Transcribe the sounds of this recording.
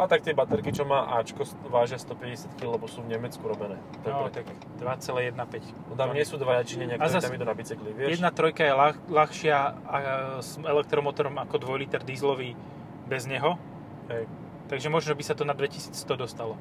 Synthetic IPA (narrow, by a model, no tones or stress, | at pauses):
at̪ak̚t̪ɪɛbat̪ɛɾkit͡ʃɔmaːʔaːt͡ʃkɔsʋaːʒɪast̪ɔpɛɟɛsjat̪killɛbɔsuːvɲɛmɛt͡skuɾɔbɛnɛː | t̪nɔt̪ak | d̪ʋat͡sɛlɛːjɛd̪napɛc | ɔt̪amɲɪɛsuːd̪ʋajat͡ʃiɲɛɲɪaktaɔɾasamit̪ɔnabit͡sɛkliʋɪɛjɛdd̪nat̪ɾɔjkajɛlalaxʃɪaasɛlɛk̚t̪ɾɔmɔt̪ɔɾɔmakɔd̪ʋɔjlit̪ɛɾd̪izlɔʋiː | bɛzɲɛɦɔ | ɦɛj | t̪aɡʒɛmɔʒnɔbisat̪ɔnad̪ʋɛcisiːt͡sst̪ɔd̪ɔst̪alɔ